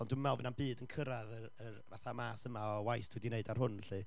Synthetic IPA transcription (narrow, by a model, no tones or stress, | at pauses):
ɔnduwmɛlˠvənambɨːdənkʰəɾaðərərva̰θamaːsəmaɔwajθd̥ʰwidineɨdarɦʊnɬɨ